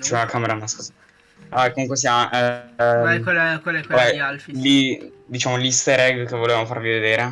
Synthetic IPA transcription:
t͡ʃɛakʰameɾamaskuza | akːomuŋkwes̬iaʔɛ | kelkwalɛkɛalfilid̪it͡ʃaːmolist̪eɾɛɡkevoleːvamofa̰ɾvived̪eːɾe

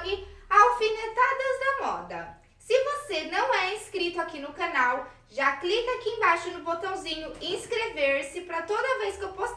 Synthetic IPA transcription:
ɡɪawfĩnet̪ad̪ɐzd̪ɐmɔ̰d̪ɐ̰ | sɪvosenɐ̃w̃ɛĩskɾit̪ʊakinʊkɐnaw | ʒaklikɐakiẽbajʃʊnʊbot̪ɐ̃w̃zĩɲʊɪĩskɾeveɾsɪpɾɐt̪od̪ɐvejskɪewpos

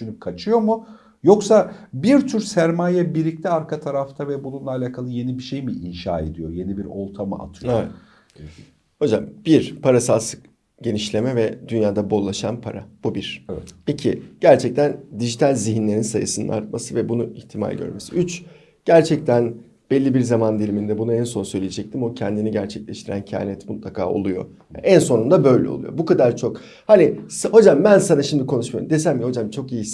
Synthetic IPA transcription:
ynyp̚kʰat͡ʃʰɯjo̞mu | jo̞ksabiɾt̪ʰyɾsæɾmaːjabiɾlʲiclʲiaɾkʰat̪ʰaɾaft̪ʰavɛbununˠaalʲaːkʰalˠɯje̞nibiʃe̞jmiʔinʃa̰ːe̞̰d̪ijo̞je̞nibiɾo̞ɾt̪ʰamɯ̰ʔa̰t̪ʰɯjovɛ | ho̞d͡ʒamb̥iɾpʰaɾasalˠsɯ̥k | ɟe̞niʃlʲe̞mɛvɛd̪̥ynjaːd̪abo̞lˠaʃa̰npʰaɾab̥ubiɾ̥ɛvɛt̪icʰiɟ̥æɾt͡ʃʰɛc̚t̪ʰænd̪iʒit̪ʰalʲziɦinlʲe̞ɾinsajɯsɯnɯ̰nʔa̰ɾt̪̚masɯvɛbunuiçt̪ʰima̰lʲɟø̰ɾmesiyt͡ʃ | ɟ̥æɾt͡ʃʰɛc̚t̪ʰæn | b̥ɛlʲːibiɾzamand̪elʲimind̪ɛbunuɛnso̞nsø̞jlʲijed͡ʒɛc̚t̪ʰimo̞cʰɛnd̪iniɟæɾt͡ʃʰɛclʲɛʃt̪ʰiɾæ̰ncʰa̰ːnɛt̪mut̪lˠakʰa̰ːo̞̰lˠujo̞̰ | ɛnso̞nund̪abø̞jlʲɛ̰olˠṵjo̞̰bukad̪aɾt͡ʃʰo̞k | hanisho̞d͡ʒambænsanaʃimd̪ikʰo̞nuʃmajṵmd̪e̞s̬æmmːiho̞d͡ʒamt͡ʃʰo̞kijis

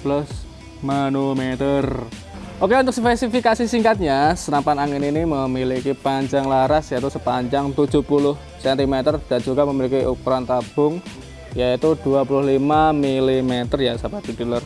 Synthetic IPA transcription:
plʊs | manumet̪ərʔokeunt̪ʊk̚səfɛsifikasisiŋkat̪̚ɲasənampanaŋeniniməmilikipaɲd͡ʒaŋlaɾasjait̪usəpaɲd͡ʒaŋt̪u̥d͡ʒ̥ṳpulʊh | sɛnt̪imet̪ərd̥and͡ʒuɡaməmilikiʔupɾant̪ab̥ʊŋ | jait̪ud̥uapulʊhlimamilimet̪ərjasapat̪idilər

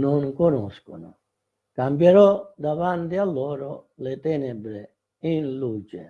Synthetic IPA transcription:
noŋkonɔskʊnʊ | kambjɛɾɔd̪avant̪ɪalːɔːɾʊ | let̪ɛːnɛbɾɪ | inluːt͡ʃɪ

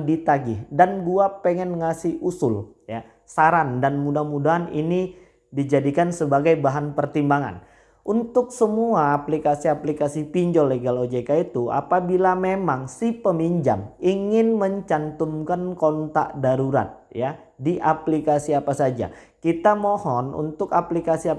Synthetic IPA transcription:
dit̪aɡɪhdanduapeŋɛnŋasɪhusʊl | ja | saɾandanmudahmudaɦanini | did͡ʒadikansəbaɡajbaɦanpərt̪imbaŋa̰n | ʔunt̪ʊksəmuaːplikasiaplikasipiɲd͡ʒɔleɡalod͡ʒekait̪ua̰pabilamemaŋsipəmiɲd͡ʒa̰miŋɪnməɲt͡ʃant̪umkankɔnt̪a̰ʔdaɾuɾa̰t̪̚ja | diʔaplikasiapasad͡ʒa̰kit̪amohɔnṵnt̪ʊkaplikasia

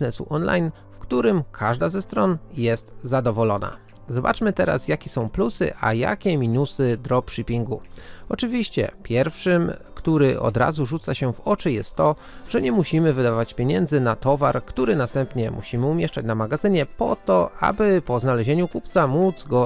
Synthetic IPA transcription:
nɛsṵʔɔnla̰jn | fkt̪uɾɘmkʰaʐd̪azɛst̪ɾɔnjɛst̪zad̪ɔvɔlɔna̰ | zɔba̰t͡ʂmɘt̪ɛɾa̰sjakʲɛsɔ̃w̃plusɘ̰ʔa̰ja̰kʲɛmʲinusɘd̪ɾɔpʂɨpʲiŋɡuɔt͡ʂɘvʲiɕt͡ɕɛ̰pʲjɛɾfʂɘmkt̪uɾɘʔɔ̰d̪ɾa̰zuʐut̪saɕɛvɔt͡ʂɘjɛst̪ːɔ | ʐ̥ɛɲɛmuɕimɘvɘd̪avat͡ɕpʲeɲɛnd̪zɘnat̪ɔvaɾkt̪uɾɘnast̪ɛmpɲɛmʔṵɕimɘumʲjɛʂt͡ʂat͡ɕnamaɡazɘɲɛpɔt̪ɔa̰bɘpɔznalɛʑeɲukupt̪samud̪zɡɔ

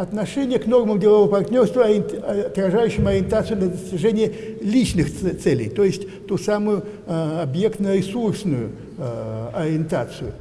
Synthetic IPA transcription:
ɐt̪nɐʂɛnʲɪjəkno̞rmɨmdʲɪlˠɐvovəpɐrt̪ʲnʲo̞rst̪vʊɐɐt̪rɐʐajʉɕːɪmɐɾʲɪnt̪at̪sɨjʊd̪lʲɐd̪əsʲtʲɪʐɛnʲɪjəlʲit͡ɕnɨxt̪sɛlʲɪ̰jt̪ojɪsʲtʲ | t̪usamʊjʊ | ɐbje̞kt̪nəɾʲɪsursnʊjʊ̰ | ɐɾʲɪɪnt̪a̰t̪sɨjʊ

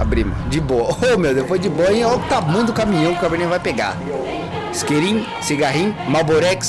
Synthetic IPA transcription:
a̰bɾimɐd͡ʒɪboɐomewd̪epojd͡ʒɪboɐĩlɔwɡɪ̥t̪amũd̪ʊkamĩɲɐ̃pʊkabɾenĩɐ̃vajpeɡa̰ | skeɾĩ | siɡaɦĩɲmaboɾɛks

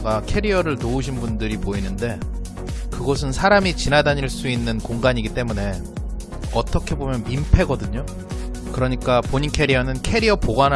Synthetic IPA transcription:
ɡakʰe̞ɾiʌɾɯɭnouɕ̬ʰinbundɯɾipoinɯnde̞ | kɯɡʌsʰɯnsʰaɾamit͡ɕinadaɲiɭs͈uinːɯnkoŋɡaɲiɡit͈e̞mune̞ | ʌt͈ʌkʰe̞bomjʌnmimpʰe̞ɡʌdɯɲo | kɯɾʌɲik͈apoɲinkʰe̞ɾiʌnɯnkʰe̞ɾiʌpoɡan

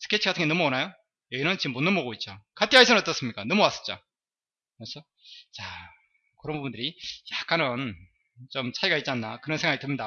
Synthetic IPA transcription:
sʰɯ̥kʰet͡ɕʰiɡatʰɯŋɡeʌmuwʌnajo | jʌɡinɯnt͡ɕimːonːɯnmboɡoit̚t͡ɕ͈okʰatʰiaisʰʌnʌt͈ʌs͈ɯmɲik͈anʌmʌwas͈ʌ̥t͡ɕ͈o̰ | kɯɾesʰʌ | t͡ɕa | kɯɾʌnbubundɯɾijak͈anɯn | t͡ɕomt͡ɕʰaiɡait̚t͡ɕ͈ianːakɯɾʌnsʰeŋɦaɡitɯmɲida

